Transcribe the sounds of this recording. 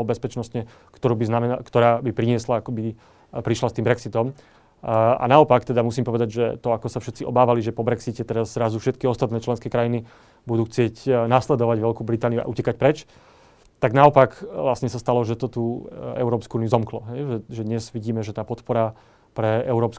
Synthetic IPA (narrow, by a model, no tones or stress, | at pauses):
ɔbɛspɛt͡ʃnɔst̪ɲɛ | kt̪ɔɾuːbiznamɛakt̪ɔɾaːbipɾiɲɪɛslaakɔbi | pɾiʃlast̪iːmbɾɛksit̪ɔm | a̰naɔpakt̪ɛd̪amusiːmpɔʋɛd̪aɟʒɛ̰t̪ɔakɔsafʃɛt̪t͡siɔ̰baːʋaliʒɛpɔbɾɛksicɛt̪ɛɾazːɾazufʃɛt̪̚kiɔst̪at̪nɛːt͡ʃlɛnskɛːkɾajini | bud̪uːxt͡sɪɛcnaslɛd̪ɔʋaɟʋɛlkuːbɾit̪aːniua̰ʔucɛkac̚pɾɛt͡ʃ | t̪aɡnaɔpakʋlasɲɛsast̪alɔʒɛt̪ɔt̪uːɛ̰ʊɾɔːpskuuːnijuzɔmklɔɦɛjʒɛʒɛd̪ɲɛzʋiɟiːmɛʒɛt̪aːpɔt̪pɔɾa | pɾɛɛʊɾɔːpsk